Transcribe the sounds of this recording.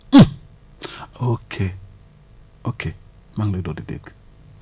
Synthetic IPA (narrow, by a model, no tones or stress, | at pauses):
okʰe | okʰe | maŋledodidḛk